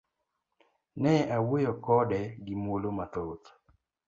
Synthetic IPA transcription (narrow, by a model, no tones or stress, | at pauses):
nɛawojokɔdɛɡɪmolomat̪ot̪